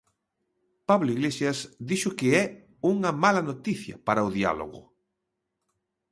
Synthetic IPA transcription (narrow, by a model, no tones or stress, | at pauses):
paβloiɣlesjasd̪iʃʊkɪɛ | uŋɐmalɐnot̪iθjɐ̰paɾaoðia̰lo̰ɣʊ̰